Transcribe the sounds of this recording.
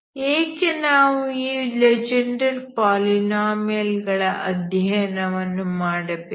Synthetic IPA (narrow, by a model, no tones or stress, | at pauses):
eːkʲːɐnaːʋuiːled͡ʑɐɳɖɐɾpaːlinaːmjɐlɡɐɭɐʔɐd̪ʱjɐnɐʋɐnːumaːɽɐpːe